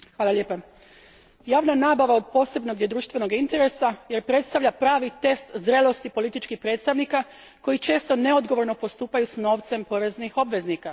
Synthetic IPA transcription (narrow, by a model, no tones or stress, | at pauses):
xʋaːlalʎe̞ːpa | jaːʋnanaːbaʋao̞d̪̚po̞ːse̞bno̞ɡjed̪ɾuːʃt̪ʋe̞no̞ɡint̪e̞ɾe̞saje̞ɾpɾe̞t̪st̪aʋʎapɾaːʋit̪e̞st̪zɾelˠo̞st̪ipo̞lit̪it͡ʃkixpɾet̪st̪aʋnika | ko̞jit͡ʃe̞ːst̪o̞ne̞o̞d̪ɡo̞ʋo̞ɾno̞po̞st̪uːpajusno̞ːʋt̪se̞mpo̞ɾe̞znixo̞bʋe̞znika